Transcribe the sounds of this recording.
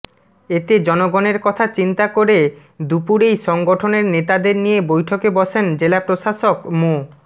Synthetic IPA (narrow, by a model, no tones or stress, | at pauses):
et̪ed͡ʑɔnoɡɔneɾkɔt̪ʰat͡ɕint̪akoɾe | d̪upuɾejʃɔŋɡoʈʰoneɾnet̪ad̪eɾnijebojʈʰokebɔʃend͡ʑelapɾoʃaʃokmo